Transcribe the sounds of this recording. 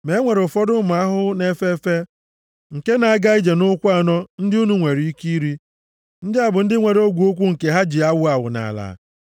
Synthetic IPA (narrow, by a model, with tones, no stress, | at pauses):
me˦ŋʷe˨ɾo˨fɔ˦dʊ˦ma˨a˦ɦʊ˦ne˦fe˦fe˦ | ŋ̩˨ke˦na˨a˨ɡa˦i˦d͡ʒe˨nʊ˦kʷa˦˨nɔ˦n̩˦dɪ˦u˦nu˨ŋʷe˨ɾi˨i˦ki˦ɾi˦ | n̩˦dɪ˦a˨bʊ˨n̩˦dɪ˦ŋʷe˨ɾo˦ɡʷu˨˦o˦k̬ʷu˦ŋ̩˨ke˨ɦa˦d͡ʒi˨a˦wʊ˦a˨wʊ̰˨na̰˨la̰˨˦